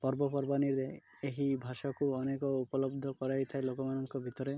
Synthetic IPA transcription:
pɔɾbɔpɔɾbaniɾde | eɦibʱaʃɔkuɔnekɔupɔlɔbd̪ʱɔkɔɾajt̪ʰaelokɔmanɔŋkɔbʱit̪ɔɾe

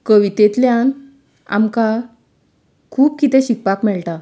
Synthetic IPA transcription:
kəʋit̪et̪ljan | a̰mka | kʰuːb̚kit̪ɛ̃ɕik̚pakmɛɭʈa

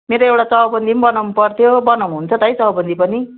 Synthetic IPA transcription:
meɾoewʈat͡sʌɦʌbʌnd̪ʱinbʌnawnupʌrt̪ʰjobʌnawnuɦunt͡sʰʌt̪ʌjt͡sʌɦʌbʌnd̪ipʌni

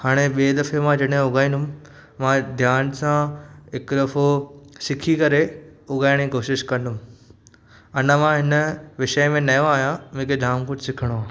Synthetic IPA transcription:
haːɽ̃eɓeːd̪ɐfemãd͡ʑɐɽɦẽʊɡaːĩnd̪ʊm | mãd̪ʱjaːnsãɪkd̪ɐfosɪkʰikɐɾeʊɡaːɪɽ̃d͡ʑikoːʃɪʃkɐ̃nd̪ʊm | ɐnəmãɦɪnəʋɪʃəjmẽnɐjõaːɦjãmẽːkʰeɖ̪ʱaːmkʊʈsɪkʰəɽ̃aː

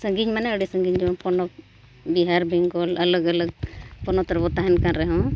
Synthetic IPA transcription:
səŋɡiɲmanɛəɽisəŋɡiɲd͡ʒɔmapɔnɔk̚ | biɦaɾbʱiŋɡɔlələɡələɡ̚pɔnɔt̪əɾbɔt̪aɦɛnkanɾɛɦɔ̃

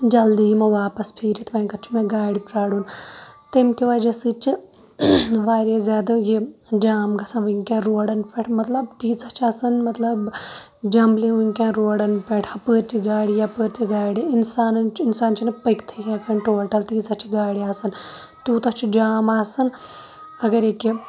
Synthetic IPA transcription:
d͡ʒɐld̪iːmɐʋaːpɐspʰiːɾit̪ʰʋɐːŋkɐt͡ʃʰumẽɡaːɽipɾaːɽunt̪emkiʋɐd͡ʒɐsɨt͡ʃi | ʋaːɾezʲaːd̪ɐjed͡ʒaːmɡɐsɐnʋɨŋʲkãːɾoːɽɐnpeʈʰmɐt̪lɐbt̪iːt͡sɐt͡ʃʰɐsɐnmɐt̪lɐb | d͡ʒɐmliʋuŋʲkʲãːɾoːɽɐnpeʈʰɐpəːɾt͡ʃiɡaːɽijapəːɾt͡ʃiɡaːɽiinsaːnɐnt͡ʃʰinsaːnt͡ʃʰinɐpɐkt̪ʰikʰaːkɐɳʈoːlʈɐlt̪iːzɐt͡ʃʰiɡaːɽiaːsɐnt̪uut̪ɐt͡ʃʰud͡ʒaːmaːsɐn | ɐɡɐɾeːki

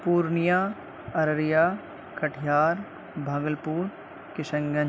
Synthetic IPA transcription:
puːɾnijaː | ɐɾɾjaː | kɐʈʰjaːɾ | bʱɐɡəlpuːɾ | kɪʃə̃ŋɡɐ

